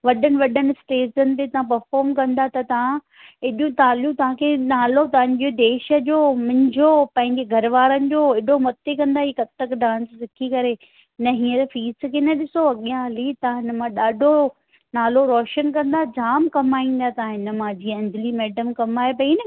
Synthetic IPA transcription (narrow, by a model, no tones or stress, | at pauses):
ʋɐɗənɪ̆ʋɐɗənɪ̆sʈeːzənɪ̆t̪̬et̪ɐʋ̤ãpɐɾfɔːɾmkɐ̃nd̪at̪ɐt̪ɐʋ̤ã | ɪɗjũt̪aːljũt̪ɐʋ̤ãkʰenaːlot̪ɐʋə̃ɲd͡ʑod̪eːʃə̆d͡ʑoːmʊ̃ɦɪ̃ɲd͡ʑʱopɐ̃ɦɪ̃ɲd͡ʑeɡʱɐɾʋaːɾənɪ̆d͡ʑoːɪɗʱomɐt̪ekɐ̃nd̪aːɦiːkɐt̪ːəkɖãːnssɪkʰikɐɾe | nɐɦĩːəɾfiːskʰeːnɐɗɪsoɐɠijãɐlit̪ɐãɪnə̆mãɗaːɖʱo | naːloɾɔːʃənkɐ̃nd̪ad͡ʑaːmkɐmaːĩːn̆d̪at̪ɐãɦɪnə̆mãːd͡ʑiːɐ̃ɲd͡ʑʱɪlimɛːɖəmkɐmaːepɐiːnɪ